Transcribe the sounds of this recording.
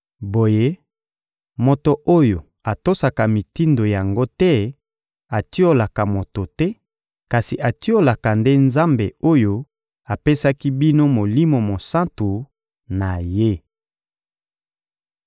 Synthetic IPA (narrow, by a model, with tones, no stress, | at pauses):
bo˨je˦ | mo˨to˨ʔo˦jo˨ | a˨to˦sa˨ka˨mi˨ti˦ndo˨ja˨ŋɡo˦tɛ˦ | a˨ti˦o˦la˨ka˨mo˨to˨tɛ˦ | ka˨si˨ʔa˨ti˦o˦la˨ka˨nde˦nza˦mbe˨o˦jo˦ | a˨pe˦sa˦ki˦bi˦no˦mo˨li˦mo˨mo˨sã˦ntu˨ | na˨je˦